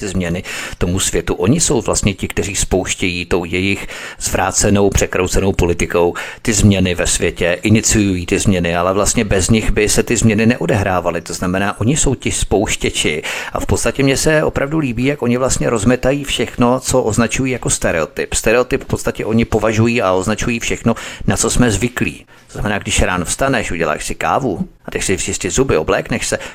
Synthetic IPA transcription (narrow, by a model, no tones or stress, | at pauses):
ɪzmɲɛnɪt̪o̞musvjɛt̪uʔo̞ɲɪso̞wvla̰st̪ɲɛcɪkt̪ɛriːspo̞wʃcɛjiːt̪o̞wjɛjɪxz̥vɾa̰ːt͡sɛno̞wpr̝̥ɛkɾowt͡sɛno̞wpo̞lɪt̪ɪko̞wt̪ɪzmɲɛnɪvɛsvjɛcɛʔɪnɪt͡sɪjujiːt̪ɪzmɲɛnɪalɛvlast̪ɲɛbɛzɲɪxbɪsɛt̪ɪzmɲɛnɪnɛʔo̞dɛɦɾaːvalɪt̪o̞znamɛnaːʔo̞ɲɪso̞wcɪspo̞wʃcɛt͡ʃɪʔa̰fpo̞t̪st̪acɛmɲɛsɛʔo̞̰pɾʔavduliːbiːjakʔo̞ɲɪvlast̪ɲɛɾo̞zmɛt̪ajiːfʃɛxno̞t͡so̞ʔoznat͡ʃujiːjako̞st̪ɛɾɛot̪ɪpst̪ɛɾɛot̪ɪpfpo̞t̪st̪acɛʔo̞ɲɪpo̞vaʒujiːao̞znat͡ʃujiːfʃɛxno̞nat͡so̞smɛzvɪklḭː | t̪oz̥namɛnaːɡdɪʃɾaːnofst̪anɛʃuɟɛla̰ːʃsɪka̰ːvuat̪ɛçsɪʒɪstɪzubɪo̞blɛːknɛʃsɛ